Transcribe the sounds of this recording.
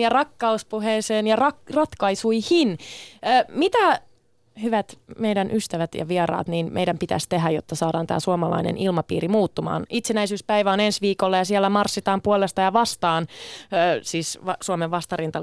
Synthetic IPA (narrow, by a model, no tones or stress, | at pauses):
jɑrɑkːɑuspuheːseːnjɑrɑkrɑt̪kɑisuihinː | mit̪æ | hyʋæt̪meidænʔyst̪æʋæt̪jɑ̰ʋieɾɑ̰ːt̪niːnmḛjdæmpit̪æ̰st̪eɦæjo̰t̪ːɑsɑːdɑːnt̪æ̰ːsuɑmɑlɑ̰inḛnʔilmɑpḭːɾimuːt̪ːumɑ̰ːnit̪senæisyːspæiʋæonensʋiːkolːɑjɑsielːæmɑrsːit̪ɑːmpuolest̪ɑjɑʋɑst̪ɑːnː | siːsɑsuomeʋʋɑst̪ɑrint̪ɑ